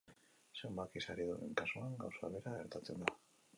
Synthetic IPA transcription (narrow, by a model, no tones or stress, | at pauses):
se̞mbakisaɾiðuɾḛŋkasoaŋɡawsaβe̞ɾaɣeɾt̪at͡se̞̰nd̪a